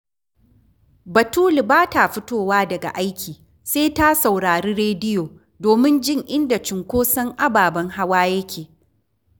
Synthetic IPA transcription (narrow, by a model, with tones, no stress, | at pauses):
bɐ˨tuː˦li˨baː˦ta˨ɸʊ˦toː˦waː˦dɐ˨ɡa̰˨ʔa˦jkʲiː˨ | seː˦ta˦sa˨wɽaː˨ɾiː˦ɾeː˦dɪ˦joː˨ | doː˨mɪ˦nd͡ʒɪ˦˨ŋʔɪ˦nda˨t͡ʃɪ˨ŋkʷoː˦sɐ˦ŋʔa˦baː˨bɐ˦ŋha˦waː˦jɐ˦kʲʰeː˨